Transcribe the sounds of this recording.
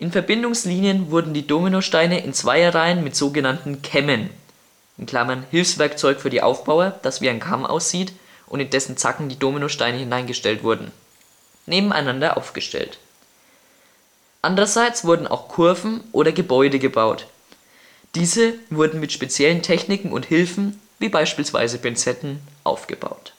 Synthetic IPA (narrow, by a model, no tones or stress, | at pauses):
ʔɪnfɛɐbɪndʊŋsliːnjənvʊɐdn̩diːdoːminoʃtaɪnəʔɪnt͡sv̥aɪəʁaɪənmɪtz̥oːɡənantn̩kʰɛmən | ʔɪnkl̥amɐnhɪlfsv̥ɛɐkt͡sɔʏkfyːɐdiːʔa̰ʊfb̥aʊɐd̥asv̥iːaɪnkʰamʔa̰ʊsz̥iːt | ʔʊntɪndɛsn̩t͡sa̰kŋ̩diːdoːminoʃtaɪnəhɪnaɪnɡəʃtɛltv̥ʊɐdn̩ | neːbm̩ʔa̰ɪnandɐʔa̰ʊfɡ̥əʃtɛ̰lt | ʔandəʁɐzaɪt͡sv̥ʊɐdn̩a̰ʊxkʰʊɐvn̩ʔoːɾɐɡəbɔʏdəɡəbaʊt | d̥iːzəvʊɐdn̩mɪtʃpet͡sjɛləntʰɛçnɪkŋ̩ʊ̰nthɪlfn̩ | viːbaɪʃpiːlsv̥a̰ɪzəbɛnt͡sɛtn̩ʔa̰ʊfɡ̥ə̰ba̰ʊt